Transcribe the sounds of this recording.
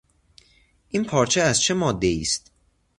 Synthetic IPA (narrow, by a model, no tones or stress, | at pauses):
ʔiːnpʰɒːɾt͡ʃʰeæzt͡ʃʰemɒːd̪ːe̞iːst̪